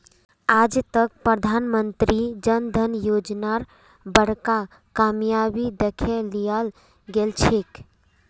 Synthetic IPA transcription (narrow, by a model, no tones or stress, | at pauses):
ad͡ʒt̪ək̚pɾəd̪ʱanmənt̪ɾid͡ʒənd̪ʱənjod͡ʒnaɾ | bəɽ̤ka | kamjabid̪ekʰeːijal | ɡelt͡ʃʰek